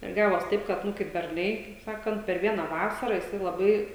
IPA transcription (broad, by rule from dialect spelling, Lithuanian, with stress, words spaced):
ɪr ˈɡɑːʋoːs ˈtɐɪp kɐt ˈnʊ kɐɪp bʲɛrˈnɐɪ kɐɪp ˈsɑːkɐnt pʲɛr ˈʋʲiɛnɐ ˈʋɑːsɐrɐ jɪˈsɐɪ lˠɐˈbɐɪ